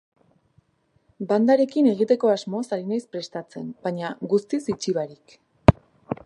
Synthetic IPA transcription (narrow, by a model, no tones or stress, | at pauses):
band̪aɾe̞kine̞ɣ̞it̪e̞ko̞azmo̞saɾinajspɾe̞st̪at͡se̞nbaɲaɣust̪isit͡ʃiβaɾik